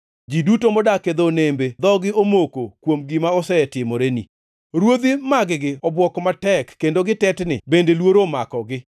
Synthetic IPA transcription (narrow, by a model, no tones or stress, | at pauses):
d͡ʒidutomɔdaked̪onembed̪ɔɡɪomokokwomɡɪmaɔsɛtɪmɔɾenḭ | ɾwod̪imaɡɪɡɪɔbwɔkɔmatɛkːendoɡɪtɛtnɪ̰bendelwoɾomakɔɡɪ